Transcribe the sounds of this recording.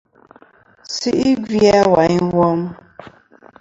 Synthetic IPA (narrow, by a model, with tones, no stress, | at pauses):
si˦ʔi˦ɡi˦a˦wa˨˦ɲ˦wɔ˦m